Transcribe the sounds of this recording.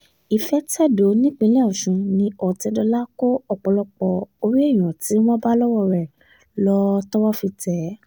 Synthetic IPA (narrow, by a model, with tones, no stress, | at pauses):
i˨fɛ˨˦tɛ˦˨do˨˦nĩ˦k͡pĩ˧˦lɛ˦˨u˨ʃũ˧nĩ˧ɔ˨tɛ˧dɔ˧la˦ko˦ɔ˧˨k͡pɔ˧lɔ˧k͡pɔ˨o˧ɾi˦e˦˨j̃ɔ̃˨ti˨˦w̃ɔ̃˦ba˦lɔ˦wɔ˦˧ɾɛ˨ | lɔ˧tɔ˦wɔ˦fi˧tɛ˨˦